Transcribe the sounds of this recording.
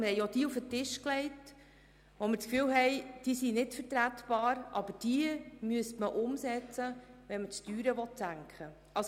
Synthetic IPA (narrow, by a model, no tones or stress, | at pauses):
mɪɾhɛɪɔd̥iːufətɪʃklɛɪt | ʋɔmɪɾt͡skfyːwɦɛɪd̥iːsinɪtfəɾtɾætb̥ɑːɾʔɑb̥əɾd̥iəmyəstməʔʊmsɛt͡səʋɛnmət͡styːɾəʋɔtsæŋkʰχə | ʔɑs